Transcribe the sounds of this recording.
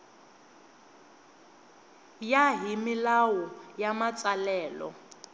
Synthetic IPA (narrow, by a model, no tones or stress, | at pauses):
jaɦimilawɔjamat͡sʼalɛːlɔ̰